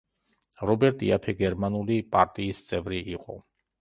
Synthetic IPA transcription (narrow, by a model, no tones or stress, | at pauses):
ɾɔbɛɾt̪ʼḭapʰɛɡɛɾmanulipʼaɾt̪ʼiːst̪sʼɛvɾiʔːqʼɔ̰